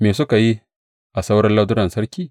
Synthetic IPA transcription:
meː˨s̬ʊ˦ka˨ji˦ | ʔa˨sa˦wɾɐ˦nla˦dʊ˦ɾɐ˨nsɐ˦ɾkʲiː˦

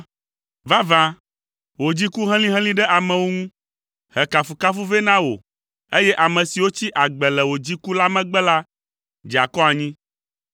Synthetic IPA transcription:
va˦vã˦ | wo˨d͡ʑi˦ku˦ɦɛ̃˦l̃ĩ˦ɦɛ̃˦lĩ˦ɖɛ˦ʔa˨mɛ̃˨wo˦ŋũ˦ | hɛ˨ka˨fu˨ka˦fu˦vɛ˦nã˦wo̰˨ | e˦jɛ˦ʔa˨mɛ̃˨si˨wo˦t͡ɕi˦ʔa˨ɡ͡bɛ˨lɛ˨wo˨d͡ʑi˦ku˦la˦mɛ̃˦ɡ͡bɛ˦la˦ | d͡ʒi˨a˨kɔ˦a˨ɲĩ˦

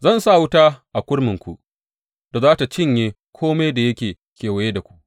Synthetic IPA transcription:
zɐ˦˨nsa˦˨wʊ˦taː˦ʔa˨kʷʊ˦ɽmɪ˨ŋkʷṵ˨ʔ | d̥a˨zaː˦ta˨t͡ʃɪ˦ɲjeː˦ | kʷʰoː˦me˦jda˨jɐ˦kʲeː˨ | kʲeː˨wɐ˨je˦da˨kʷu̥˦ʔ

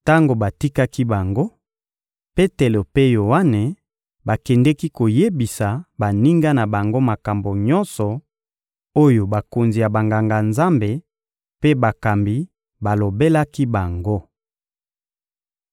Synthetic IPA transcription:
ta˦ŋɡo˨ba˨ti˦ka˦ki˦ba˨ŋɡo˦ | pe˦te˨lo˨pe˦jo˨wa˦ne˨ | ba˨kɛ˨ndɛ˦ki˦ko˨je˦bi˨sa˨ba˨ni˦ŋɡa˦na˨ba˨ŋɡo˦ma˨ka˨mbo˨ɲɔ˦nsɔ˨ | o˦jo˨ba˨ko˨nzi˨ja˨ba˨ŋɡa˨ŋɡa˨nza˦mbe˨ | pe˦ba˨ka˨mbi˨ | ba˨lo˨be˦la˦ki˦ba˨ŋɡo˦

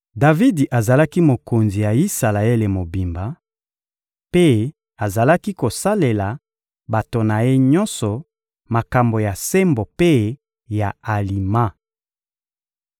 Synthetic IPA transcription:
da˨vi˦di˨ʔa˨za˨la˦ki˦mo˨ko˨nzi˨ja˨i˦sa˨la˨e˦le˨mo˨bi˨mba˨˦ | pe˦ | a˨za˨la˦ki˦ko˨sa˦le˨la˨ | ba˨to˨na˨je˦ɲɔ˦nsɔ˨ | ma˨ka˨mbo˨ja˨se˦mbo˨pe˦ | ja˨a˨li˨ma˦

